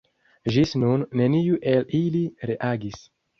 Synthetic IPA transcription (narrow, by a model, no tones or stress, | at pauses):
ʒisnunːe̞nijuʔe̞liliɾeʔaɡis